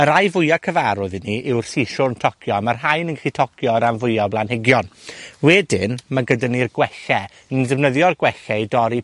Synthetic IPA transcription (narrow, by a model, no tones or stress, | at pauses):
əɾajvʊjakʰəvaɾʊðiniʔɪwr̥θiʃʊrntʰɔkʰjɔmarɦajnənŋɡɛχitʰɔkʰjɔɾamvʊjɔblˠanhɪɡjɔnwɛdɪnmaɡədənirɡwɛɬɛ | əndɛvnəðjɔrɡwɛɬɛidɔɾi